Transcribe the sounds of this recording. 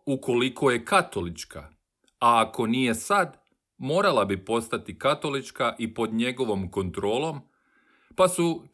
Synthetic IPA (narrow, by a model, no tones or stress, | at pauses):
uko̞likʰo̞je̞kat̪o̞lit͡ʃkʰa̰ | aːko̞nije̞sad̪ | mo̞ːɾalabipo̞st̪at̪ikat̪o̞lit͡ʃkaʔipo̞d̪ɲe̞ɡo̞ʋo̞mko̞nt̪ɾo̞ːlˠo̞m | pasu